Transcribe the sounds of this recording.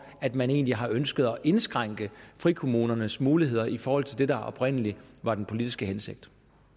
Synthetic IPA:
æd̥mæne̝̰ːnliɦɑ̈ʔønsɡ̥əð̞̩ˠɒʔe̝nsɡ̥ʁaŋ̰ɡ̥əfʁikʰo̝muːnɐnəsmuːliɦe̝ð̞̰ˠɐʔifɒːhɒ̽l̰t͡sʰeld̥e̝dɑ̈ʔɒ̽b̥ʁen̰əliʋɑ̈d̥enpʰo̝lid̥isɡ̥əɦense̝ɡ̥̚d̥

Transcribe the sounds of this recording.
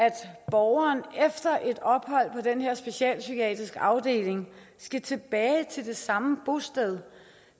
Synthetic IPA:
æd̥b̥ɒʊɐːnefd̥ɐʔe̝d̥ɒ̽b̥ɦɒ̽l̰pʰɒ̽denheɐ̰sb̥e̝ɕiɛ̰ːlsykʰiɛ̰ːd̥ʁisɡ̥ɑ̈ʊd̥e̝̰ːle̝ŋ | sɡ̥æt͡sʰe̝b̥ɛːɪt͡sʰe̝ld̥e̝sɑ̈məb̥o̝sd̥ɛð̞ˠ

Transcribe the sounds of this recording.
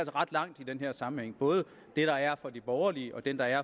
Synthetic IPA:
ælsəʁɑ̈d̥lɑ̈ŋ̰d̥id̥enɦeɐ̰sɑ̈mn̩heŋ̰b̥ɔ̽ːð̞ˠə | d̥e̝ɾ̥ɑ̈æɐfɒ̽d̥ib̥ɒʊɐliəʔɒ̽d̥end̥ɑ̈æɐ

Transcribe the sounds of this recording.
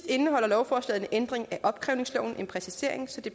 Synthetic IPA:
d̥e̝nəɦɒ̽l̰ɐlɒʊfɒːslɛ̰ːð̩ˠnəʔend̥ʁeŋæʔɒ̽b̥̚kʰʁɛʊne̝ŋslɒ̰ʊ̰n̩enpʰʁɛsise̝ɐ̰e̝ŋsɒ̽d̥e̝

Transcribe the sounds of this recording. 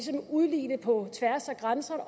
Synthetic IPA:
sɒ̽muðˠlḭːnəpʰɒ̽t͡sʰʋæɐsæɡ̥ʁansɐn

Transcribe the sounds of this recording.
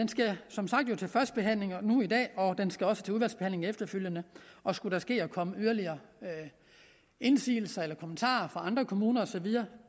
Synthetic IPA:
d̥ensɡ̥æsɒ̽msɑ̈ɡ̥̚d̥jo̝t͡sʰe̝lfɶɐsd̥̚b̥e̝ɦæn̰le̝ŋnuid̥ɛ̰ːɒ̽d̥ensɡ̥æɒ̽sə̥t͡sʰe̝uðˠʋæl̰sb̥e̝hænle̝ŋefd̥ɐføl̰jənəʔɒ̽sɡ̥uɾ̥æsɡ̥e̝̰ːɒkʰɒ̽məyɐliɐː | e̝nsḭːl̩sɐelɐkʰomən̩t͡sʰɑ̰̈ːɐfʁɑ̈ɑ̈nd̥ʁɐkʰo̝muːnɐɒsɒ̽ʋið̞ˠɐː

